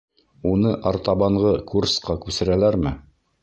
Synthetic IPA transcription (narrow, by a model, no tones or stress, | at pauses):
unɤʔɑɾt̪ɑβɑɴʁɤkursqɑkʉsɘ̆ɾælæɾmɘ